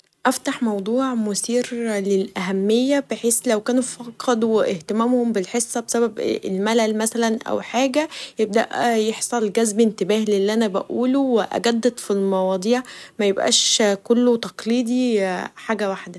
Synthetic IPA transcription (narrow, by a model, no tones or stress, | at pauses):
ʔæft̪aħmɑwd̪ˤuːʕmosiːɾlelʔæɦæmːejːæb̥eħeːslæwkæːnufɑqʰːɑd̪weʔeht̪emæːmhombelħesˤːɑbesæbæbelmælælmæsælænʔæ̰wħaːɡæjeb̚d̪æ̰ʔjeħsˤɑlɡæzbʔent̪ebæːhleʔelːiʔænæbæ̰ʔuːloweʔæ̰ɡæd̪ːæt̪filmɑwɑːd̪ˤiːʕmæjebʔæ̰ːʃkolːot̪ɑqliːd̪ˤiħaːɡæwaħd̪æ